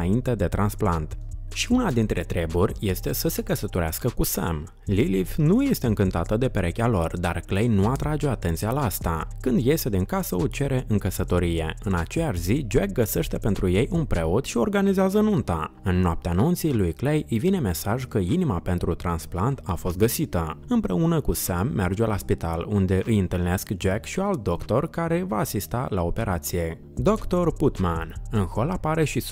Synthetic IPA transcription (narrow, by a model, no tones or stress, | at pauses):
aint̪e̞d̪e̞t̪ɾansplant̪ʃiunad̪int̪ɾe̞t̪ɾe̞burʲje̞st̪e̞səse̞kəsət̪o̞ɾeaskəkusa̰m | lilifnujest̪e̞ɨŋkɨnt̪at̪əd̪e̞peɾʔe̞kʲalo̞rd̪arklejnuat̪ɾad͡ʒe̞at̪e̞nt̪sijalaast̪akɨnd̪je̞st̪e̞d̪iŋkasəot͡ʃe̞ɾe̞ʔɨŋkəsət̪o̞ɾije̞ɨna̰t͡ʃe̞jaʃzid͡ʒek̚ɡəse̞ʃt̪e̞pe̞nt̪ɾuje̞jʔunpɾe̞ot̪ʃio̞rɡanizeazəɨnunt̪a̰ɨnːoap̚t̪eanunt̪sijlujklejɨjvine̞me̞saʒkəinimape̞nt̪ɾut̪ɾansplant̪afo̞st̪̚ɡəsit̪əɨmpɾe̞unəkusamːerd͡ʒe̞laspit̪alund̪e̞ʔɨjɨnt̪ɨlne̞skd͡ʒekʃialt̪̚d̪o̞kt̪o̞rkaɾe̞vaːsist̪a̰lao̞pe̞ɾʔat̪sije̞ | d̪o̞kt̪o̞rput̪manɨnxo̞lapaɾe̞ʃi